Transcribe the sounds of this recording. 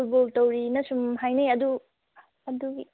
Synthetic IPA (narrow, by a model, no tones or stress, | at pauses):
utboltɐwɾinɐsumɦajnejɐdu | ɐduɡi